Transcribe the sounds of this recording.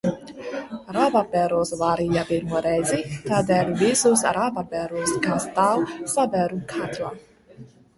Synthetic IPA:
ɾababɛɾosvaɾiabilmɔɾɛzit̪ad̪ɛlvisusɾabapɛɾuskast̪awsabɛɾukʰat̪la

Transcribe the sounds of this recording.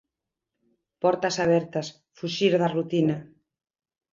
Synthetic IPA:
pɔɾt̪ɐsaβ̞ɛɾt̪ɐs | fuʃiɾðɐrut̪ina

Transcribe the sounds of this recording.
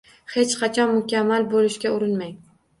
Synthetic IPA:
het͡ʃqɑt͡ʃʰɒnmʊkʲamːalbolɪʃkʲaʊɾɪnmaj

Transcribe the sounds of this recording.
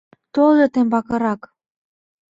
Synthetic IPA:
t̪olet̪embɑkɤ̆ɾɑk

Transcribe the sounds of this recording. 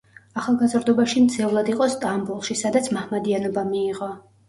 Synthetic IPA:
aχalˠɡazɾd̪ɔbaʃimd̪sʰɛvlˠad̪iqʼɔst̪ʼambulˠʃisad̪at̪sʰmahmad̪ianɔbamiːʁɔ

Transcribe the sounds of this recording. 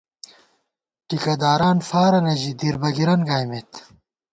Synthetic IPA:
ʈikɐd̪aːɾaːnfaːɾɐnɐʑid̪iɾbɐɡiɾɐnɡaːjmet̪

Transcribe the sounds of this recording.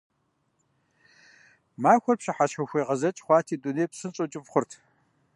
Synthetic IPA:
maːxʷɔrpɕɪħaʃʰɐxʷeːʁɐzɐt͡ʃʼχʷɑːtʰiːduneːjpsɨnt͡sʼot͡ʃʼɪpχʷʊrtʰ

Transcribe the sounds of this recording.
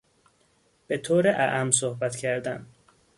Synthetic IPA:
b̥e̞t̪ʰoːɾeʔæʔæmsohbæt̪cʰæɾd̪æn

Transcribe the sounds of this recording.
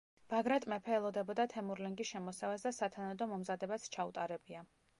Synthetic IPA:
b̥aɡɾɛt̪ʼmɛpʰɛːlˠɔd̪ɛbɔd̪at̪ʰɛmuɾlɛŋɡisʃɛmɔsɛvasd̪asat̪ʰanad̪ɔmɔmzad̪ɛbast͡ʃʰaṵt̪ʼaɾɛbia

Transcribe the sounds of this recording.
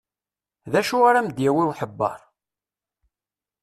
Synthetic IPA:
ðæʃuaɾamd̪jæwiwħəbːɑ̰ɾˤ

